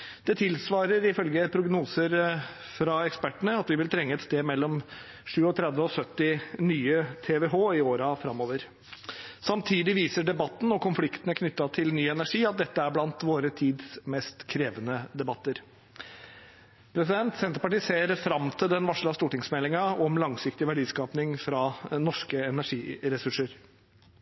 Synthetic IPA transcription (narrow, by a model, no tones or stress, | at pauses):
d̪̥ɛt̪ʰɪlsʋɑːɾəɾɪfœlɡəpʰɾʊɡnuːsəɾ | fɾɑɛkspæʈːəɳəɑt̪ʋɪʋɪlt̪ʰɾɛŋːəɛt̪st̪eːmɛlːɔm | ʂʉːɔt̪ʰɾɛd̪ʋəɔsœt̪ːɪnyːət̪ʰɛːʋeːɦoːɪoːɾɑfɾɑmːoːʋəɾ | sɑmt̪ʰiːd̪ɪʋiːsəɖɛbɑt̪ːn̩ɔkʰʊnflɪkt̪ənəkʰnʏt̪ːɑt̪ʰɪlnyːɛnæʂiːɑt̪̚d̪ɛt̪ːəæɾblɑnt̪ʋoːɾət̪ʰiːd̪smɛst̪kʰɾeːʋənəd̪ɛbɑt̪ːəɾ | pʰɾɛsɪd̪ɛnt̪sɛnt̪ɾəpɑʈiːseːɾfɾɑmt̪ʰɪld̪ɛnʋɑʂɭɑst̪uːʈɪŋsmɛlːɪŋɑɔmlɑŋsɪkt̪ɪʋæɖiːskɑːpnɪŋfɾɑːnɔʂkəɛnæʂiːɾɛsʉʂəɾ